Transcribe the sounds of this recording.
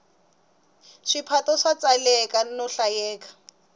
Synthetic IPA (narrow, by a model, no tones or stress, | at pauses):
ʂipʰatɔʂat͡salɛkʼanɔɬajɛːkḁ